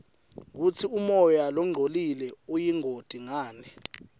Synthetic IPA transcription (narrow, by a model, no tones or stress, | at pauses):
k̬ut͡sʰiumɔjalɔŋ͡ǃʱolilɛujiŋʱod̥ʱiŋaːnɛ